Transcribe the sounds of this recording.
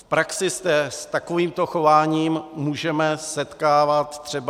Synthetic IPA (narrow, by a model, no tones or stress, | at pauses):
fpɾaksɪsd̪ɛst̪ako̞viːmt̪o̞xo̞vaːɲiːmmuːʒɛmɛsɛt̪kaːvat̪t̪r̝̥ɛb